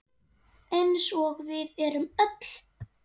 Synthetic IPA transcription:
ejnsɔɣvɪðɛɾʏmœt̪l̥

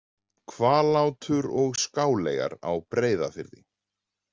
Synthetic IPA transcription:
kʰvaːlaːwt̪ʰʏɾɔɣskaːwlɛːjɣa̰ɾa̰wpɾeːjðafɪɾðɪ̰

